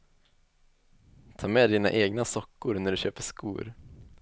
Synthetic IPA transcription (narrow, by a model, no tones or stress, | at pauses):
t̪ʰɑːmeːd̪iːna̰ʔeːɡnasɔkːʊɾnæɖɵɕøːpəʂkṵːɾ